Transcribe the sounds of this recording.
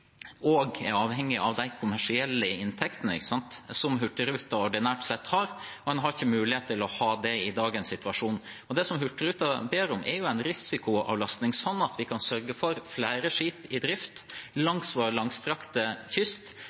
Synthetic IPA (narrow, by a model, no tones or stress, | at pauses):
ɔɡɛ̰ɾɑːʋhɛŋːɪʔɑʋd̪æɪkʰʊmæʂɪɛlːəɪnt̪ʰɛkt̪ənəɪ̰çkːə̥sɑnt̪sɔmɦʉʈːəɾʉːt̪ɑɔɖɪnæːʈsɛt̪ːhɑɾɔdɛnɦɑɾɪçːəmʉːlɪheːt̪ʰːɪlɔhɑːd̪ɛɪd̪ɑːɡənsɪt̪ʉɑʂuːnɔd̪ɛsɔmɦʉʈːəɾʉːt̪ɑbeːɾʊmʔɛ̰ɾjʊæɪnɾɪsɪkʊɑ̰ːʋlɑst̪nɪŋsɔnːɑt̪ʰʋɪkʰɑnsœɾɡəfɔɾflæɪɾəʂiːpɪd̪ɾɪft̪lɑŋsʋoːɾlɑŋst̪ɾɑkt̪əçʏst̪